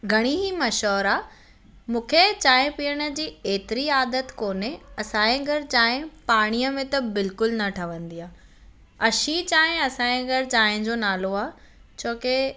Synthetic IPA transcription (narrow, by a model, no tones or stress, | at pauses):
ɡʱɐɽ̃iɦimɐʃɔːɾa | mũːkʰet͡ɕaːɦɪ̃piəɽ̃ə̆d͡ʑiːeːt̪ɪɾiaːd̪ət̪koːneɐsãːẽɡʱɐɾt͡ɕaːɦɪ̃paːɽ̃ijəmẽt̪ɐbɪlkʊlnɐʈʰɐʋə̃nd̪iaː | ɐʃit͡ɕaːɪ̃ɐsãːẽɡɐɾt͡ɕaːɦɪ̃d͡ʑoːnaːloaː | t͡ɕoːke